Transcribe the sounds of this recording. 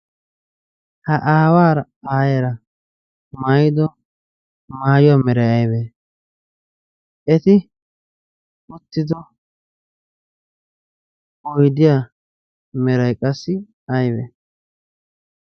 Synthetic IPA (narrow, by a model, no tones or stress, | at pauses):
hɐʔaːwaːɾɐ | aːjɐɾɐ | majɪd̪ɔ | maːjʊwamɛɾɐjɐjbeː | ɛt̪ɪ | ʊt̪ːɪd̪ɔ | ɔjd̪ɪja | mɛɾɐjkʼɐsːɪ | ɐjbḛː